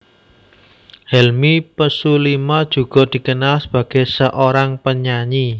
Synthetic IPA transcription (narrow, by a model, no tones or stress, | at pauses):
hɛlmipəsulimad̥ʒ̥ṳɡ̥ɔ̤d̪̥i̤kənalsəb̥ä̤ɡ̥e̤səʔoɾaŋpəɲaɲi